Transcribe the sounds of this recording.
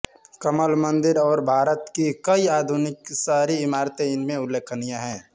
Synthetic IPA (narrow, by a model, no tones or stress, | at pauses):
kəməlmə̃nd̪ɪɾɔːɾbʱaːɾət̪kikəiaːd̪ʱʊnɪksaɦɾiɪmaːɾt̪eɪnmẽʊlːeːkʰənijaɦɛ̃ː